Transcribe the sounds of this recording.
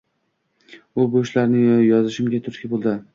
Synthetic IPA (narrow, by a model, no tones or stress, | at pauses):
ʊboʃlaɾnɪjɒzɪʃɪmɡʲat̪ʰʊɾkʲɪbolˠd̪ɪ